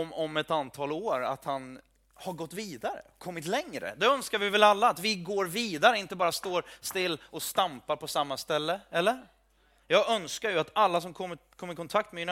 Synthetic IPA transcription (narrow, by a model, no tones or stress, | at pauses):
mɔmɛt̪ant̪ʰɑːloːɾa̰t̪han | haɾɡɔt̪ːviːd̪aɾə̰kʰɔmːɪt̪lɛŋɾə̰d̪ɛœnskaɾvɪvɛlalːaːt̪vɪɡoːɾviːd̪aɾəɪnt̪əbɑːɾast̪oːɾst̪ɪlːɔst̪ampaɾpʰɔsamːast̪ɛlːəɛlːəɾ | jɑːɡœnskaɾjɵat̪alːas̬ɔmkʰɔmːəkʰɔmːəɾɪkʰɔnt̪ʰak̚t̪mɛɪn